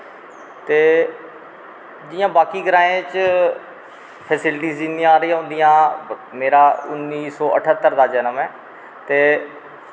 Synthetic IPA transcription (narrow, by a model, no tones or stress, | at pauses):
t̪eː | d͡ʒɪjãːbaːkiːɡəɾãːẽːt͡ʃ | pʰɛːsɪlʈiːzinĩːaːɾɪːãːɦʊ̃nd̪ijãːmeːɾaːʊnːiːsɔːʔə̰ʈʰət̪ːəɾd̪aːd͡ʒɛːnəmɛ̃ː | t̪eː